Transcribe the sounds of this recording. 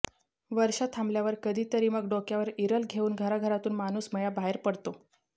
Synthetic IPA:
ʋəɾɕat̪ʰamljaʋəɾkəd̪ʱiːt̪əɾiːməɡɖokjaʋəɾiɾəlɡʱeuːnɡʱəɾaɡʱəɾat̪uːnmanuːsməjabaɦeɾpəɽt̪o

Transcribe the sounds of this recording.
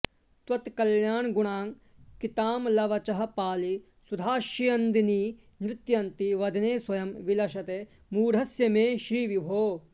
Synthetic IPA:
t̪wɐt̪kɐljaːɳɡuɳaːŋ | kit̪aːmlɐʋɐt͡ʃɐɦɐpaːli | sud̪ʱaːʃijɐnd̪iniː | nɾɪt̪jɐnt̪iʋɐd̪ʱɐneːswɐjɐmʋilɐʃɐt̪eː | muːɾɦɐsjɐmeːʃɾiːʋibʱoː

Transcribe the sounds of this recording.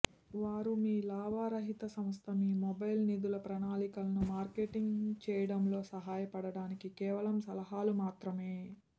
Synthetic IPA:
ʋaːɾumiːlaːʋaːɾɐɦit̪ɐsɐmst̪ʰɐmiːmɔbɐjlnid̪ulɐpɾɐnaːlikɐlɐnumaːɾkeːʈiŋɡt͡ʃɛːjɐɽɐmlo̞ːsɐɦaːjɐpɐɽɐɽaːnikikɛːʋɐlɐmsɐlɐɦaːlumaːt̪ɾɐme̞ː

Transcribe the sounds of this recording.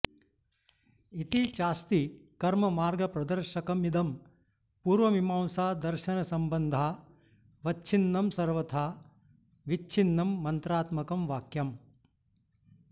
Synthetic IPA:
it̪it͡ʃaːst̪ikɐɾmɐmaːɾɡɐpɾɐd̪ɐɾʃɐkɐmid̪ɐm | puːɾʋɐmimaːwsaːd̪ɐɾʃɐnɐsɐmbɐnd̪ʱaː | ʋɐt͡ʃʰinːɐmsɐɾʋɐt̪ʰaː | ʋit͡ʃʰinːɐmːɐnt̪ɾaːt̪mɐkɐmʋaːkjɐm

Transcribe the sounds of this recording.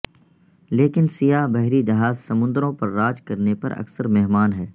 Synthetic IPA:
leːkɪnsijabɛɦɾid͡ʒɐɦaːzsɐmʊ̃nd̪ɾõpɐɾːaːd͡ʒkɐɾnepɐ̰ɾɐ̰ksəɾmɛɦmaːnɦɛː

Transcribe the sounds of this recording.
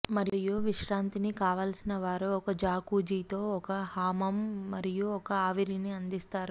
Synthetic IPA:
mɐɾijuʋiʃɾaːnt̪inikaːʋaːlsinɐʋaːɾuɔkɐd͡ʒaːkuːd͡ʒiːt̪o̞ːɔkɐhaːmɐmːɐɾijuɔkɐaːʋiɾiniɐnd̪ist̪aːɾu

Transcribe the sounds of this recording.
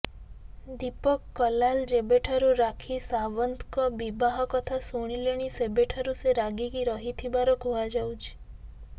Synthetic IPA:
d̪ipɔkːɔlald͡ʒebeʈʰaɾuɾakʰisaʋɔnt̪kɔbibaɦɔkɔt̪ʰasuɽ̃ileɽ̃isebeʈʰaɾuseɾaɡikiɾɔɦit̪ʰibaɾɔɡʱuad͡ʒawt͡ʃʰi̥

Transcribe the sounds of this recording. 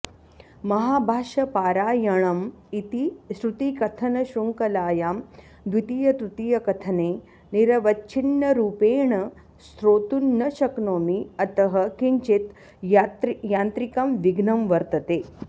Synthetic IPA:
mɐɦaːbʱaːʃɐpaːɾaːjɐɳ̃ɐm | it̪isɾut̪iːkɐt̪ʰɐnɐɕɾuŋkɐlaːjaːm | d̪ʋit̪ijɐt̪ɾut̪iːjɐkɐt̪ʰɐneː | niɾɐʋɐtːt͡ʃʰinːɐɾuːpeːɳɐ | st̪ɾoːt̪unːɐʃɐknoːmiɐt̪ɐɦɐkiɲt͡ʃit̪ | t̪jaːnt̪ɾikɐmʋiɡnɐmʋɐɾt̪ɐt̪eː

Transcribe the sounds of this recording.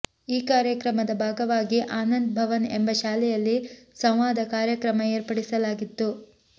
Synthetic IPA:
iːkaːɾjɐkɾɐmɐd̪ɐbʱaːɡɐʋaːɡiʔaːnɐnd̪̚bʱɐʋɐnḛmbɐʃaːlɛjɐlːisɐ̃mʋaːd̪ɐkaːɾjɐkɾɐmɐeːɾpɐɽisɐlaːɡit̪ːu

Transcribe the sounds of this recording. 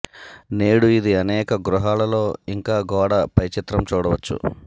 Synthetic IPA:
ne̞ːɽuid̪iɐnɛːkɐɡɾuɦaːlɐlo̞ːiŋkaːɡɔːɽɐpɐjt͡ʃit̪ɾɐmt͡ʃuːɽɐʋɐt͡ʃːṵ

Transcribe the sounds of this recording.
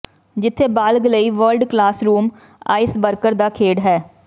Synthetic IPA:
d͡ʒɪt̪ʰːeːbaːlɡləiːʋəlɖklaːsɾuːm | a̰ːɪsbəɾkəɾd̪aːkʰeːɖɦɛː

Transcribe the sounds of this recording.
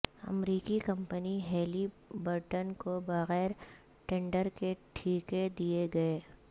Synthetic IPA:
ɐ̰mɾiːkikɐ̃mpəniɦeːli | bəɾʈənkobɐɣɛːɾ | ʈɛ̃ːɳɖəɾkeʈʰiːked̪ieɡɐeː

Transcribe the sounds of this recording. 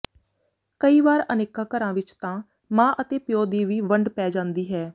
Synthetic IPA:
kəiːʋaːɾəneːkaːkəɾãːʋɪt͡ʃt̪ãː | mãːʔət̪eːpɪjoːd̪iːʋiːʋəɳɖpɛːd͡ʒãːnd̪iːɦɛː

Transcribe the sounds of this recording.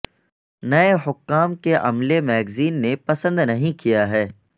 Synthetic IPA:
nɐeɦʊkːaːmkeʔɐ̰mlemɛːɡziːnːepɐsə̃nd̪nɐɦĩkijaɦɛː

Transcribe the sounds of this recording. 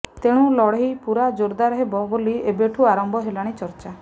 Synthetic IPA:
t̪eɽ̃ũlɔɽɦipuɾad͡ʒoɾd̪aɾɔɦebɔboliebeʈʰuaɾɔmbɔɦelaɽ̃it͡ʃɔɾt͡ʃa

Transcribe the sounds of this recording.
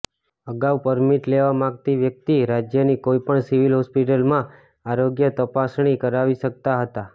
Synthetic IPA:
əɡawpəɾmiʈleʋamãɡ̚t̪iʋjək̚t̪iɾad͡ʒjənikoipəɳsiʋilɦɔspiʈəlmã | aɾoɡjət̪əpasɽ̃ikəɾaʋiʃək̚t̪aɦət̪a

